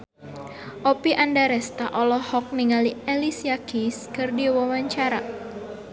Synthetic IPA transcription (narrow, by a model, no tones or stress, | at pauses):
ʔopiʔandaɾɛst̪aʔɔlɔhɔk̚niŋalielisiakiskɨrdiwawaɲt͡ʃaɾa